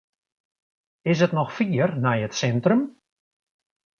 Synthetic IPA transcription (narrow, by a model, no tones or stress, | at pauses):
ɪs̬ətnɔxfiərnɛjətsɛntrəm